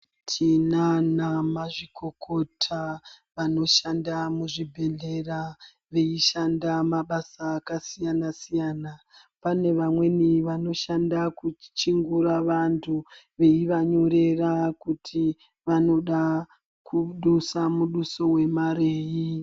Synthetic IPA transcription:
tʰinanamaʐikʰo̞kʰo̞tʰa | ʋano̞ʃandamuʐibʱe̞ɮe̞ra | ʋe̞iʃandamaɓasaːkasijanasijaːna | pane̞ʋamwe̞niʋano̞ʃandakut͡ʃiŋɡuɾaʋantʰu | ʋe̞iʋaɲo̞ɾe̞rakutʰi | ʋano̞ɗa | kʰuɗusamuɗuso̞we̞mareːji

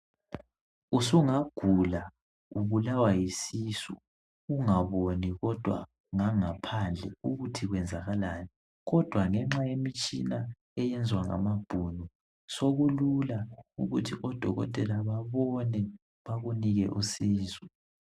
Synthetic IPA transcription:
usuŋaɡ̥ʱula | uβulawajisisṵ | uŋaβoniɣɔd̥ʱwa̰ | ŋaŋapʰand͡ɮʱɛuɣutʰiɣwɛnd͡zʱaɣalani | ɣɔd̥ʱwaŋɛŋ͡ǁajemit͡ʃʼina | ɛjɛnd͡zʱwaŋa̰mab̥ʱunu | soɣululauɣutʰiʔɔd̥ʱɔɣɔ̰tʼɛlaβaβɔnɛ | βaɣuniɣɛ̰ʔusiːzɛ

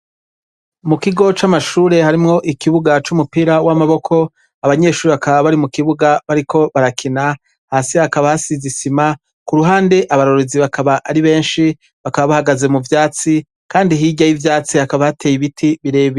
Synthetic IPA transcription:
mukiɡo̞t͡ʃamaʃuːɾe̞haɾimŋo̞ʔikiβuɡat͡ʃumupiːɾawamaβo̞kʰo̞ | aβaɲe̞ʃuːɾiβakaβaβaɾimukiβuɡaβaɾikʰo̞βaɾakʰina | haːsihakaβahasizisima | kuɾuɦaːnde̞ʔaβaɾo̞ɾoziβakʰaβaʔːɾiβe̞ːnʃi | βakaβaβahaɡaze̞muvjaːt͡si | kaːndiɦiɟajivjaːt͡sihakaβahatʰeːjiβitʰiβiɾe̞ːβ

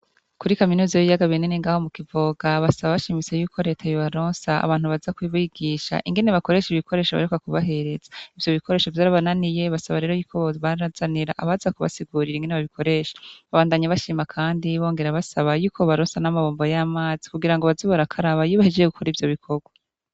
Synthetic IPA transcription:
kuɾikaminuːzajoβijaɡaβinineŋɡaːho̞mukivoɡaβasaβaβaʃimit͡sejuːkʰo̞ɾe̞ːtʰajoβaɾoːnsaa̰βaːn̥huβazakwiːβuiɡiʃa̰ʔiŋɡe̞neβako̞ɾe̞ːʃiβikʰo̞ɾe̞ːʃoβa̰ɾekwakuβaɦe̞ɾe̞zḁivjo̞βikʰo̞ɾe̞ːʃo̞vjaːɾaβananije̞βasaβaɾe̞ɾojuːkʰoββaɾazaniɾa̰ʔaβazakuβa̰siɡuːɾiɾeiŋɡe̞neβaβikʰo̞ɾe̞ːʃḁβaβaːndaɲaβaʃiːmakʰaːndiβo̞ːŋɡe̞ɾaβasaβajuːkʰo̞βaɾoːnsanamaβoːmbojaːmaːzikuɡiɾaŋɡo̞βaziβoɾakʰaɾaβajiːβahed͡ʒejeɡukʰoɾivjo̞βikʰo̞ɡwa

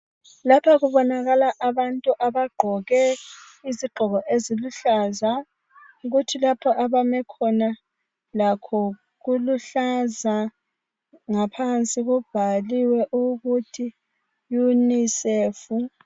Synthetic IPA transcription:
lapʰaɣuβɔnaɣalaʔaβantʼuʔaβaɡ͡ǃʱɔɣɛ | iziɡ͡ǃʱɔɣɔʔeziluɬaːza | uɣutʰilapʰɔʔaβamɛkʰɔna | lakʰɔ | ɣuluɬaza | ŋapʰant͡sʼiɣub̥ʱaliwɛʔuɣutʰi | juniseːfu

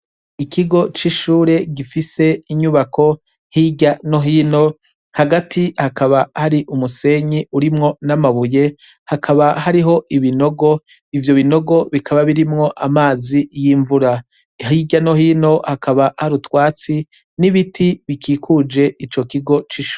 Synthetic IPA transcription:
ikʰiɡo̞t͡ʃiʃuːɾe̞ɡifise̞iɲuβakʰo̞ | hiɟano̞ɦiːno̞ | haɡatʰihakaβahaɾiʔumuse̞ɲiʔuɾimŋo̞namaβuje̞ | hakʰaβaɦaɾiɦo̞ʔiβino̞ɡo̞ | ivjo̞βino̞ɡo̞βikʰaβaβiɾimŋo̞ʔamaːzijiɱvuɾa | hiɟanohiːno̞hakʰaβahaɾutwaːt͡si | niβitʰiβikʰiːkʰud͡ʒe̞it͡ʃo̞kiɡo̞t͡ʃiʃuːɾ

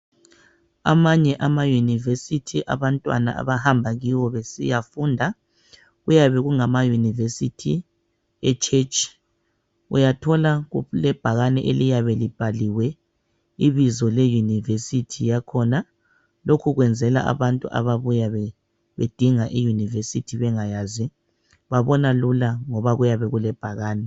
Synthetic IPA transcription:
a̰maɲɛʔamajunivesitʰiʔa̰βantʼwa̰na̰ʔa̰βahambʱaɣiwɔβesḭjafundʱa | ɣujaβɛɣuŋamajunivesitʰi | ɛt͡ʃʰʼet͡ʃʼi̥ | ṵjatʰɔlaɣulɛb̥ʱaɣanɛʔelijaβɛlib̥ʱaliwɛ | iβizɔlɛjunivesitʰijakʰɔna | lokʰuɣwɛnd͡zʱɛla̰ʔa̰βantʼṵʔa̰βaβujaβɛ | βed̥ʱiŋaʔijunivesitʰiβɛŋajaːzi | βaβɔnalulaŋɔβaɣujaβɛɣulɛb̥ʱaɣaːnɛ

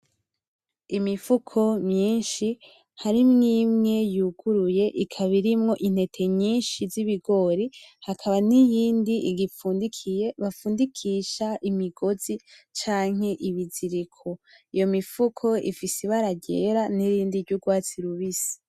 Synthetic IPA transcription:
imifukʰo̞mɲiːnʃi | haɾimŋiːmŋe̞juɡ̥uɾuje̞ʔikʰaβiɾimŋo̞ʔin̥e̞tʰe̞mɲiːnʃiziβiɡo̞ɾihakʰaβanijiːndiiɡifuːndikʰije̞βafuːndikʰiːʃaʔimiɡ̥o̞zit͡ʃaːŋ̥e̞ʔiβiziɾikʰo | ijo̞mifukʰo̞ḭfisiβaɾaɟeɾaniɾiːndiɾɟuɡwaːt͡siɾuβisi̥

